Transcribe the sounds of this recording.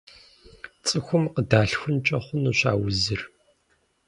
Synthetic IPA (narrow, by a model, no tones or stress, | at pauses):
t͡sʼɨxʷʊmqədaːɬxʷʊnt͡ʃʼɐχʷʊnuːɕa̰ːwʊzɨr